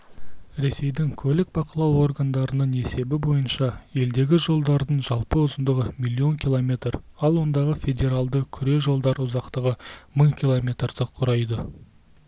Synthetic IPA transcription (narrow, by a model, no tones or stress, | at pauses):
ɾe̞se̞jd̪ɪŋkʲʰɵlɪk̚bɑqəlˠɑwo̞rɡand̪ɑɾənəɴe̞se̞bɪbo̞jənʃɑe̞ld̪e̞ɡʲɪʒo̞lˠd̪ɑɾd̪əɴʒɑlˠpəʊzənd̪əʁəmʲilʲːio̞ŋkʲʰilˠomʲe̞t̪rɑlˠwo̞nd̪ɑʁəfʲe̞dʲe̞ɾalˠd̪əkʲʰʏɾe̞ʒo̞lˠd̪ɑɾʊzɑqt̪əʁəməɴkʲʰilˠomʲe̞t̪rd̪̥əqʰʊɾɑjd̪ə